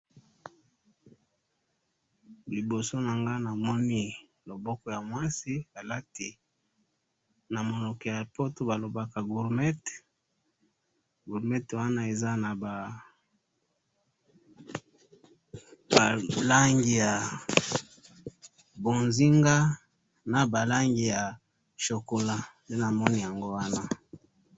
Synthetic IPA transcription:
li˨bo˨so˦na˨ŋɡa˦na˨mɔ˦ni˦ | lo˨bɔ˦kɔ˦ja˨mwa˦si˦ba˨la˦ti˨ | na˨mo˨no˨kɛ˨ja˨po˦to˦ba˨lo˨ba˨ka˨ɡu˨ʁmɛ˦t | ɡu˨ʁmɛ˦twa˦na˦e˨za˦na˨ba˨ | ba˨la˦ŋɡi˨ja˨ | bo˨nzi˦ŋɡa˦ | na˨ba˨la˦ŋɡi˨ja˨ | ʃo˨ko˨la˦nde˦na˨mɔ˦ni˨ja˨ŋɡo˦wa˦na˦

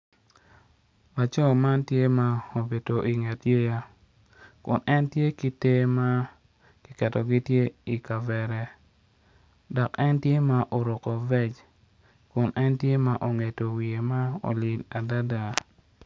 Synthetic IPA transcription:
a˨t͡ʃɔ˦ma˦ntje˦ma˨o˨be˨to˨ʔi˨ŋe˨tje˦ja˦ | kʊ˨nʔɛ˦ntje˦ki˦te˦ma˦ | ki˨kɛ˨to˨ɡi˦tje˦i˨ka˨vɛ˨ɾɛ˨ | dɔ˨kɛ˦ntje˦ma˨ʔo˨ɾo˨ko˨vɛ˦t͡ʃ | kʊ˨nʔɛ˦ntje˦ma˨ʔo˨ŋe˨to˨wi˨e˨ma˦o̰˨li˨la˨da˦da˨

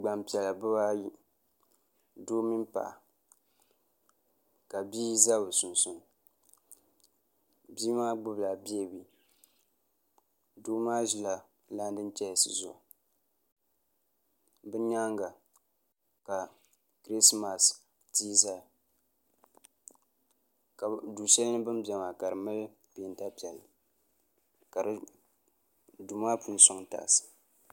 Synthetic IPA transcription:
ɡ͡ba˨mpi˨ɛ˨la˨bɨ˦baː˦ji˦ | duː˦mi˦pa̰˨ʔa˨ | ka˨bi˦za˦bɨ˨sʊ˨nsʊ˨n | biː˦maː˦ɡ͡bʊ˦bla˨bi˦ɛ˦˨wi˦ | duː˦maː˦ʒi˨la˨ | la˦n˦dɨ˦n˦t͡ʃɛ˦˨sɨ˨zʊ̰˨ʔ | bɨ˦ɲa˦ŋɡa˨ | ka˨ | kɾi˦sma˨s | tiː˦za˦ | ka˨duː˨ʃɛ˦lnɨ˦bɨ˦mbʲɛ˨ma˨ka˨ɾɨ˨mɨ˦l | bi˨n˦ta˦pi˨ɛ˨l | ka˨ɾɨ˨ | du˨maː˦pu˨n˦˨sʊ˦ŋta̰˨sɨ̥˨

